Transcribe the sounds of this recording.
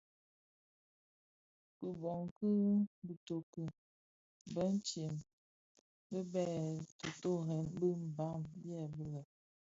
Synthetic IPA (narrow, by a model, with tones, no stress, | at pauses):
pə˨bɔ˨ŋkɨ˦ɣbə˨to˨kə˨ | bə˦n˦t͡ʃje˨m | bə˦bɛ˦˨to˨to˦˨ɣɛ˨nbə˦m̩˨ba˦mbjɛ˦˨bə˦lə˨